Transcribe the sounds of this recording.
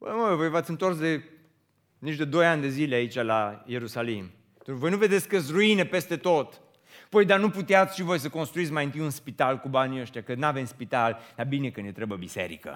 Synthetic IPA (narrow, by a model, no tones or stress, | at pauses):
bəmovo̞jvat̪sɨnt̪o̞rsd̪e̞ | nit͡ʃd̪e̞d̪o̞janʲd̪e̞zileait͡ʃalaje̞ɾusalim | vo̞jnuve̞d̪e̞t̪sʲkəɨs̬ruinepe̞st̪e̞t̪o̞t̪ | pojd̪anuput̪eat̪sʲʃivo̞js̬əkonst̪ɾuit̪sʲmajɨnt̪ijunspit̪alkubaniəʃt̪jakənave̞mspit̪ald̪̥abine̞kɨnjet̪ɾebəbise̞̰ɾḭkə̰